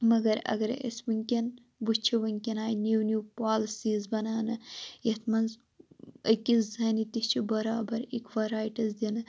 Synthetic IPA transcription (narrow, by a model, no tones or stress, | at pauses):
mɐɡɐɾɐ̰ɡɐɾɐ̰smuŋʲkʲin | but͡ʃʰiʋɐŋʲkʲinaːjniwnjupaːlɐsiːzbɐnaːnɐet̪ʰmɐnz | ɐkʲizzɐnit̪ist͡ʃʰibɐɾaːbɐɾikʋɐɾaːjʈɐzd̪inɨ